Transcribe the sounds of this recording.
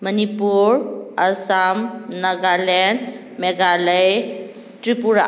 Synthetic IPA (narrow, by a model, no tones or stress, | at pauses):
mənipuɾɐsamnɐɡalɛn | meɡaləj | ʈɾipuɾa